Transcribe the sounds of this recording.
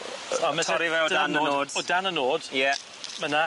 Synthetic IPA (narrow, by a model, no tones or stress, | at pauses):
ɔmɛtʰɔɾivɛodanənoːd̥ɔdanənoːd̥jɛ | məna